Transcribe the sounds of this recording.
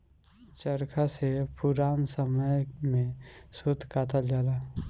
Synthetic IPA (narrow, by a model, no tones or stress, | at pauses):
t͡ʃəɾkʰasepʊɾaːnsəməjmẽsʊd̪ʱkaːt̪ad͡ʒaːla